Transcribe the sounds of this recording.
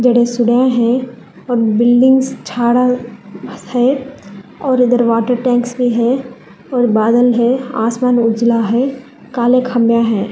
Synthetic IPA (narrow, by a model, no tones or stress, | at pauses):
d͡ʒɐɽesʊɽãɦɛ̃ | ɔːɾbɪlɖɪ̃ŋɡst͡ʃʰaːɽa | hɛː | ɔːɾɪd̪əɾʋaːʈəɾʈɛ̃ːŋksbʱiɦɛ | ɔːɾbaːd̪əlɦɛ̃a̰ːsmaːnʊd͡ʒlaɦɛ | kaːlekʰhɐmjaɦɛ̃ː